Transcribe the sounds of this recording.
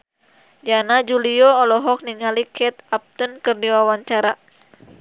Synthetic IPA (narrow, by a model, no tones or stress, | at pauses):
d͡ʒanad͡ʒuliɔɔlɔɦɔk̚niŋalikʰɛt̪̚ap̚t̪ənkɨrdiwawaɲt͡ʃaɾa